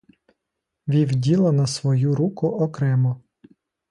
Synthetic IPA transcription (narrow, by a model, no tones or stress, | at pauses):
ʋʲiwdʲilˠɐnɐsʋɔjuɾukʊʔɔkɾɛmɔ